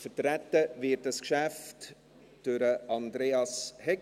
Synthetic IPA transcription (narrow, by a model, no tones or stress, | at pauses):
fətɾætːəvɪːt̚d̥ɑskʃæft | d̥øɾəʔɑndɾeːɑshɛ